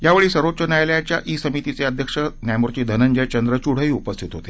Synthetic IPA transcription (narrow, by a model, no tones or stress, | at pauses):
ɦjaʋeɭiːsəɾot͡ɕənjajljat͡ɕjaʔisəmit̪it͡seəd̪ʱjəkʂənjajmuɾt͡ɕiːd̪ʱənəɲd͡ʑəjt͡ɕənd̪ɾət͡ɕuɽ̤əɦiːupəst̪ʰit̪ɦot̪e